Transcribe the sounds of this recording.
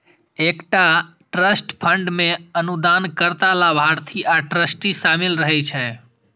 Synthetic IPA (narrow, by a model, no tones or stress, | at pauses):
ekʈa | ʈɾəsʈpʰəɳɖmeənud̪ankəɾt̪alabʱaɾt̪ʰiʔaʈɾəsʈisamilɾəɦɛt͡ʃʰɛ